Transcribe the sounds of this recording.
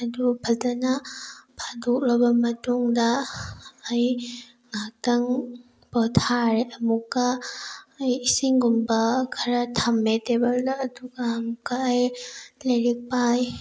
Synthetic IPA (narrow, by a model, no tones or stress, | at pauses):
ɐdubʰʱɐltɐnapʰaduk̚lɐbɐmɐtuŋdɐː | j | ŋak̚tɐŋ | pɔtʰaɾeʔɐmukːɐː | jisiŋɡumbɐkʰɐɾatʰambetebɐldɐːduɡaːmukːaːjlɐjɾik̚paj